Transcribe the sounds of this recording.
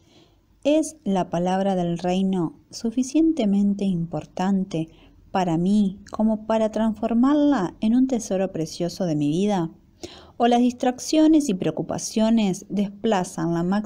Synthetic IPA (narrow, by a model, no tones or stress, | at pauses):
ezlapalaβ̞ɾaðe̞lrejno̞ | sufisje̞nt̪e̞mẽ̞nt̪e̞impo̞ɾt̪ant̪e̞ | paɾamikʰo̞mo̞paɾat̪ɾansfo̞ɾmaɾlaenunt̪e̞so̞ɾo̞pɾesjo̞so̞ðe̞miβiða | olazðist̪ɾaksjo̞ne̞sipɾeokupa̰sjo̞ne̞zðesplasanlama